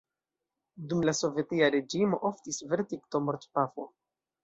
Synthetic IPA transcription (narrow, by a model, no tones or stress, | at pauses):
dumlaso̞vje̞tiaɾe̞d͡ʒimo̞ʔoftisveɾtikto̞moɾtpafo